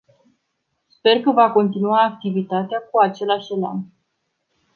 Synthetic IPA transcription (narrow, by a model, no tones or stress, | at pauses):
spe̞rkəvako̞nt̪inuaːk̚t̪ivit̪at̪eakuat͡ʃe̞laʃʲela̰n